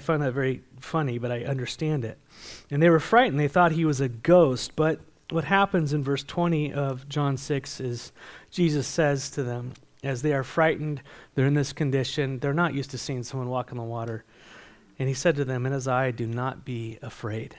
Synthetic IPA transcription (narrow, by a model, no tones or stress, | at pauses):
aɪfãɪ̃nðɨtvɛɹifʌnibʌɾaɪʔʌ̃ndə˞stæ̃ndɪt̚ | ɨ̃nðeɪwə˞fɹaɪʔn̩ðeɪθɔt̚ɦiwʌzɨɡoʊst̚b̥ʌt̚ | wʌt̚hæpɨ̃nzɨ̃nvɜ˞stʰw̥ɛ̃ɾ̃iʔʌvd͡ʒɑ̃nsɪksɪz̥ʒ̥izɨsɛz̥tʰɨðɨ̃m | ɨzðeɪə˞fɹaɪʔn̩dðə˞ɨ̃nðɪskʰɨ̃ndɪʃɨ̃nðə˞nəʔjʔʉstɨsiɪ̃ŋsʌ̃mwʌ̃nwɔkn̩ðəwɔɾə˞ | ɨ̃nisɛd̚tɨðɨ̃mɨ̃ñɨzaɪdɨnət̚b̥iɨfɹeɪd̥